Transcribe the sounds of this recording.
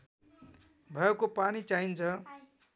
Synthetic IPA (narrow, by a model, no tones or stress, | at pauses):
bʱʌjʌkopanit͡saint͡sʰʌ